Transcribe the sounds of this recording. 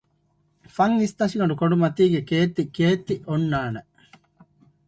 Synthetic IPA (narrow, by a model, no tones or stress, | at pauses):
fɐŋist̪ɐsiɡɐɳɖukoɳɖumɐt̪iːɡekeːt̪ːikeːt̪ːiʔonːaːne